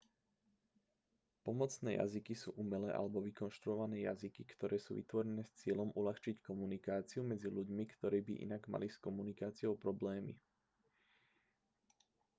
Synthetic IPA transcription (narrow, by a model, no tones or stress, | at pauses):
pɔmɔt͡snɛːja̰zikisṵːʔumɛlɛːʔa̰lɛbɔʋikɔnʃt̪ɾuɔʋanɛːja̰zikikt̪ɔɾɛːsṵːʋḭt̪ʋɔɾɛnɛːst͡sɪɛlɔmʔulaxt͡ʃickɔmunikaːt͡siumɛd͡ziʎuɟmikt̪ɔɾiːbḭʔḭnaɡma̰liskɔmunikaːt͡siɔʊpɾɔblɛːmḭ